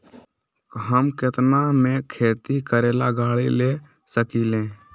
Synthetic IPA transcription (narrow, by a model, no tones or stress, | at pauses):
ɦəmkɪt̪namẽkʰeːt̪ikəɾeːlaɡaːɭile | səkiːlẽː